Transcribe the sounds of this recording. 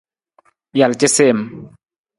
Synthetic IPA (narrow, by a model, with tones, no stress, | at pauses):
ja˨lt͡ʃɪ˦se˦˨m